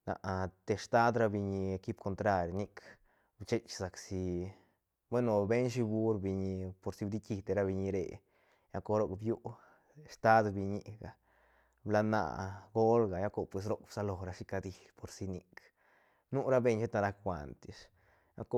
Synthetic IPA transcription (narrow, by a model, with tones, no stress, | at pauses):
na̰˨ʔt̪e˧ʂt̪a˦d̪ɾa˦bi˧ɲi˧ki˦b̚kʰo˧nt̪ɾa˧ɾʲni˦kʰ | bt͡ʃe˦t͡ʃsa˨ksi˧ | bwe˦no˨be˦nʃ̬i˧bu˦ɾbi˧ɲi˧po˨ɾsi˧bd̪i˦ki˧d̪e˧ɾa˦bi˧ɲi˧ɾḛ˨ | ja˦ko˧ɾo˧kbju˦ʔ | st̪a˦d̪bi˧ɲi˧ɡa˨ | bla˧na̰˧˨ʔɡo˦lɡa˨ja˦ko˧pwe˨s̬ɾo˦kbsa˧lo˨ɾa˧ʂi˦ka˧d̪i˧ | po˨ɾsi˧ni˧k | nu˦ɾa˦be˧ɲʃe˦t̪a˧ɾa˧kxʷa̰˨nt̪i˨s | ja̰˦ko˧˦